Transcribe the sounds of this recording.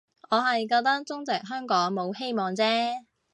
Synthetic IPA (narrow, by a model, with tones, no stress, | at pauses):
ŋɔː˨˧ɦɐ˨jkɔː˧k̚t̪ɐ˥k̚t͡sʊ˥ŋt͡sɛ˨k̚ɦœː˥ŋkɔː˨˥ŋmo˨˧whe˥jmɔː˨ŋt͡sɛː˥